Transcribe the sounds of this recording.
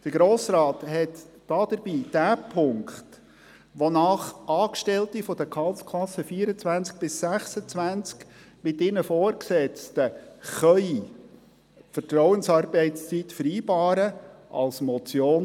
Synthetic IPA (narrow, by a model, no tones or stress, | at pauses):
d̥əɡ̥ɾoːsrɑːthɛtː | ɑːd̪̥əɾbiːd̥æːpʰʊŋkχt | ʋonɑːχʔɑːkʃtɛlt̪ifɔd̥̪əkʰɑlt͡skʰlɑsːəfiːəɾət͡svænt͡sk̚b̥ɪsːæχsət͡sʋænt͡sk | mɪtɪnəfoːrksɛt͡stəχœʏi | fətɾɔwənsɑːɾbɛɪtst͡sitfəɾiːbɑːɾəʔɑ̰lsmɔt͡sjoːn